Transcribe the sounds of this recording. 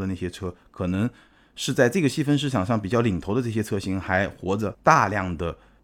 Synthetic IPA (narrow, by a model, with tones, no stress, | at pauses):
d̪ə˧na˥˩ɕjɛ˥ʈ͡ʂʰɤ˥kʰɤ˨˩nɤ˧˥ŋ | ʂɻ̩˥˧t͡sa˥˧ɪʈ͡ʂɤ˥˩ɡə˩ɕi˥fə˥nʂ̬ɻ̩˥ʈ͡ʂʰɑ˨˩ŋʂɑ˥˩ŋp̬i˨˩t͡ɕjɑ˥˩ʊli˨˩ŋt̪ʰo˧˥ʊd̪ə˧ʈ͡ʂɤ˥˩ɕ̬jɛ˥ʈ͡ʂʰɤ˥ɕi˧˥ŋxa˧˥ɪxwɔ̰˧˥ʈ͡ʂə˧t̪a˥˧ljɑ˥˩ŋd̪ə˩